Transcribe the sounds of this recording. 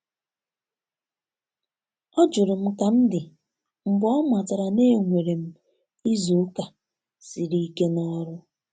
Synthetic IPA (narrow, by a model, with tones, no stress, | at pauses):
ɔ˦d͡ʒʊ˨ɾʊ˨m̩˦ka˨m̩˦dɪ˨ | m̩˨bɔ˦ma˨ta˨ɾa˨ne˦˨ŋʷe˨ɾe˨m̩˦ | i˦zu˨˦ka˨ | si˨ɾi˦ke˦nɔ˦ɾʊ˦